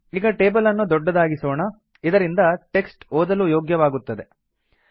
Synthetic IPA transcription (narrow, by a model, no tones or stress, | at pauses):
iːɡɐʈe̞ːbɐlɐnːud̪ɔɖːɐd̪aːɡisoːɳɐ | id̪ɐɾind̪ɐʈe̞ksʈoːd̪ɐlujoːɡjɐʋaːɡut̪ːɐd̪e̞